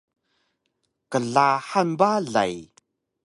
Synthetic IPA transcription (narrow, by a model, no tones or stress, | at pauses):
kəɮaħanbaɮa̰j